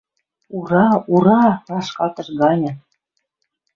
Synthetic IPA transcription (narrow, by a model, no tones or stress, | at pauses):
uɾɑuɾɑrɑʃkɑt̪ɤ̆ʃɡɑnʲɤ̆